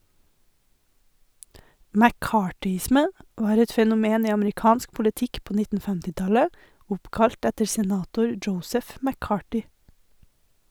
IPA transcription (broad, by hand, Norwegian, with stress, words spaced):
mæˈkɑːʈʏˌɪsmə ˈʋɑːɾ ˈɛt fɛnʊˈmeːn ˈiː ɑmɾɪˈkɑːnsk pʊləˈtɪk ˈpoː ˈnɪtn̩ ˈhʉndɾə ˈoː ˈfɛmtɪˌtɑlə ˈʊpkɑʎt ˈɛtəɾ sɛˈnɑːtʊɾ ˈd͡ʒəʊsəf mæˈkɑːʈʏ